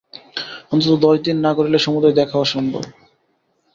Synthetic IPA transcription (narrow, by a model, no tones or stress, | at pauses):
ɔnt̪ot̪od̪ɔʃd̪inːakoɾileʃɔmud̪ɾed̪ɛkʰaoaʃɔnd̪o̰